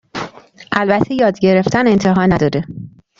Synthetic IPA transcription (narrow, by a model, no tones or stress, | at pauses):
ʔælbæt̪ʰejɒːd̪ɟe̞ɾe̞ft̪ʰæne̞nt̪ʰeɦɒːnæd̪ɒːd̪e